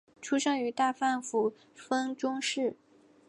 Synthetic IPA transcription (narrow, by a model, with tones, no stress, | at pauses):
ʈ͡ʂʰu˥ʂɤ˥ŋy˧˥t̪a˥˧fa˥˩nfu˨˩ | fə˥ŋʈ͡ʂʊ˥ŋʂɻ̩˥˩